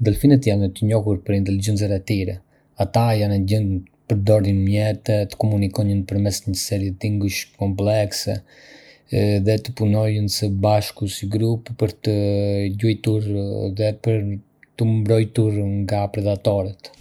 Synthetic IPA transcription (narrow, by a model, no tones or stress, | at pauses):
d̪əlfinɛt̪janɛt̪əɲɔhuɾpəɾint̪ɛlid͡ʒɛnt͡s̬ɛɾɛt̪iɾɛ̰ | at̪ajanɛɟənpəɾd̪ɔɾðinmjɛt̪ɛt̪ə̥kɔmunikɔɲənpəɾmɛsɲəsɛɾjɛt̪iŋɡuʃkɔmplɛksɛ̰ | ðɛt̪ə̥punɔjənsəbaʃkusiɡɾuppəɾt̪əɟujt̪uɾðɛpəɾ | t̪əmbɾɔjt̪uɾŋɡapɾɛd̪at̪ɔɾɛt̪